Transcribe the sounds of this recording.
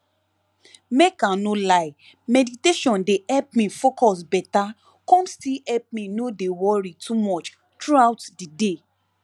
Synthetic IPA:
mekãnolaɪ | mɛditeʃɔ̃ndeɛp̚mĩfokɔsbɛta | kɔ̃nstiɛp̚mĩnodewɔɾitʰumɔt͡ʃ | tɾuawtdide

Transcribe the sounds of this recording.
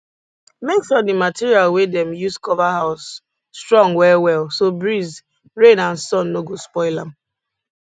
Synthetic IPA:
meksɔdimatiɹialwedɛ̃mjuskɔvaɦaʊsː | tɹɔ̃ŋwɛwɛlˠsobɹiz | ɹẽnãnsɔ̃nːoɡospɔɪlam̩

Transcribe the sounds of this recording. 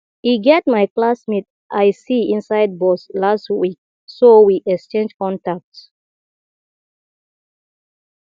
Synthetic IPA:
iɡɛt̚maɪklasmit̚ | ʔajsiĩnsaɪd̚bɔslastwik̚ | sowiʔɛkst͡ʃẽnd͡ʒkɔ̃ntak̚t

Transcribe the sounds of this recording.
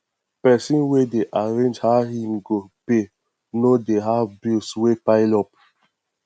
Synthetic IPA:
pɛsĩnwedeʔaɹẽnd͡ʒhaɦĩmɡope | nodeɦavbilswepaɪlɔp̚

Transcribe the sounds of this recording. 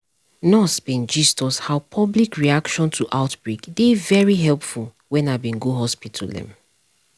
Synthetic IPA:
nɔsbĩnd͡ʒistɔshaʊpʰɔblikɹiakʃɔ̃ntʰuʔaʊtbɹekdevɛɹiɦɛlˠpfulˠ | wɛ̃nabĩnɡuɦɔspitʰldɛ̰̃m

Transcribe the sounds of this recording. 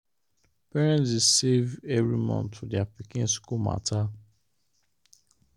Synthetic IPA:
pɛɹɛ̃ntisevɛvɹimɔ̰̃nʰudɛapikɪ̃nskuma̰tʰa

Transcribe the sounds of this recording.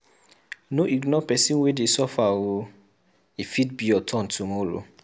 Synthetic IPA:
noʔiɡnɔpɛsĩnwedesɔfawo | ifit̚bijɔtʰɔ̃ntʰumɔɾo̰

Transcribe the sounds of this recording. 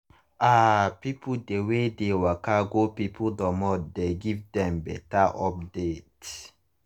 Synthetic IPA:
apipʰudewedewakaɡopipʰudɔmɔdeɡivdɛ̃mbɛ̰taʔɔpdet

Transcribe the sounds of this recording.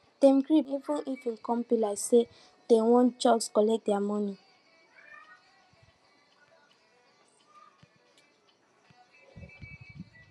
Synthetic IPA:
d̥ɛ̃mɡɹiivũnifĩnkɔ̃mpilase | d̥ewɔ̃nd͡ʒɔɡskɔlɛk̚dɛamɔ̃ni

